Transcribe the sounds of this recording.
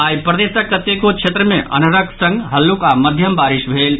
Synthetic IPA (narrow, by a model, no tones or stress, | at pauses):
aːjpɾɐd̪eːsɐkːɐt̪jekokʃeːt̪ɾəmẽʔɐ̰nɐɾɐksɐ̃ŋɡɦɐlːukamɐd̪ʱjɐmbaːɾiʃʋʱeːl